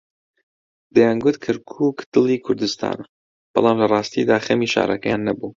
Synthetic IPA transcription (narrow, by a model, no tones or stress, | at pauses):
d̪ɛjanɡʊt̪kʰɐɾkʰuːkd̪̥ɨlˠiːkʰʊɾd̪ɨst̪ʰa̰ːnɐ | b̥ɑ̰lˠɑːmlɐrˤɑːst̪id̪aːxɐmiʃa̰ːɾˤɐkɐjanːɐbu